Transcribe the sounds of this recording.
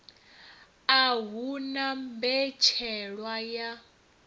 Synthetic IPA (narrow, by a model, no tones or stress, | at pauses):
aɦunambɛt͡ʃʰɛɺwaja